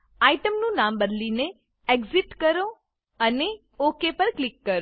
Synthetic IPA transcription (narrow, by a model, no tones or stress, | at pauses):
aiʈəmnũnambəd̪line | eɡziʈkəɾo | əne | okepəɾklikːəɾo